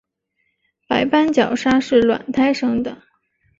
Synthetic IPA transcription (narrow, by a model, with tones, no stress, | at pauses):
pa˧˥ɪpa˥nt͡ɕjɑ˨˩ʊʂa˥ʂɻ̩˥˩lwa̰˨˩nt̪ʰa˥ɪʂɤ˥ŋd̪ə˨